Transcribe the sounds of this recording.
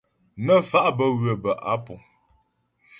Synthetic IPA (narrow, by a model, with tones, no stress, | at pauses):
mə˦˨fa˦ʔbə˦ɣɰə˨bə˨ʔa̰˨˦pu˨